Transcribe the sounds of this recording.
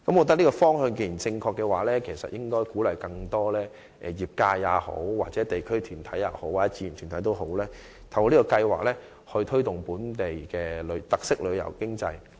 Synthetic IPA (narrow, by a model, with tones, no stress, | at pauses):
kɐ˨˦mwɔ˨˧t̪ɐ˥liː˥kɔː˧fɔː˥ŋhœ˧ŋke˧˩ji˨˩nt͡sɪ˧ŋkʰɔː˧kːɛ˧waː˨˥lɛː˥kʰe˨˩jsɐ̰˨t̚jɪ˥ŋkɔː˥jkuː˨˥lɐ˨˩jkɐ˧ŋt̪ɔː˥lɛː˥ | ʔɛ̰ː˨˩jiː˨p̚kaː˧jːaː˨˥ho̰˨˥wwaː˨k̚t͡sɛː˨˧˥t̪e˨˩jkʰɵ˥ɥt̪ʰyː˨˩nt̪ʰɐ˨˥jːa̰ː˨˧ho˨˥waː˨˩t͡sːɛ˥t͡siː˧˨˩t̪ʰyː˨˩nt̪ʰjt̪o˥wɦo˨˥wlɛː˥ | t̪ʰɐ˨˩wɔ˨˥liː˥kɔː˧kɐ˧jwa̰ː˨k̚lɛː˥ | hɵ˧t̪ʰɵ˥ɥt̪ʊ˨˩ŋpuː˨˥nt̪e˨˩jkɛː˧lɵ˨˧ɥt̪ɐ˨k̚sɪ˥k̚lɵ˨˧ɥjɐ̰˨˩wkɪ˥ŋt͡sɐ̰˧j